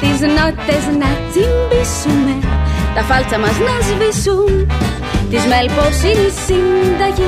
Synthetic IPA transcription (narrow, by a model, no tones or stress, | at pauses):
t̪iznɔt̪ʲːɛznat͡simbisumɛt̪afalt̪t͡samaznɔzvisum | t̪izmɛlpɔwsiɾisind̪aji